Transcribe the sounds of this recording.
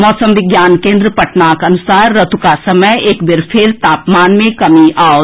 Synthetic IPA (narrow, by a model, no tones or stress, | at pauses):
mɔːsə̃mʋɪɡjaːnkẽːnd̪ɾəpɐʈnaːkɐnʊsaːɾːɐt̪ʰukasɐməjeːkbɪɾpʰɪɾt̪aːpmaːnmẽkɐmiaːo